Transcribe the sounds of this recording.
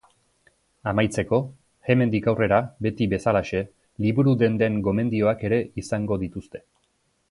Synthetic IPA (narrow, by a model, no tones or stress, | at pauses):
amajt͡se̞ko̞ | ɣe̞me̞nd̪ikawre̞ɾabe̞t̪iβe̞salaʃe̞ | liβuɾud̪e̞nd̪e̞ŋɡo̞me̞nd̪io̞ake̞ɾe̞isaŋɡo̞ðit̪ust̪e̞̥